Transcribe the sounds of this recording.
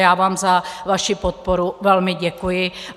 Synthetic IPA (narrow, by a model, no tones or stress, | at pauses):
jaːvaːmzavaʃɪpot̪̚poɾuvɛlmɪɟɛkujɪ